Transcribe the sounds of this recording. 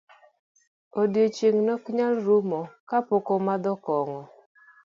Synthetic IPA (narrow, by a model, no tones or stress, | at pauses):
odjot͡ʃeŋnɔkɲalɾumɔkapokɔmad̪ɔkɔŋɔ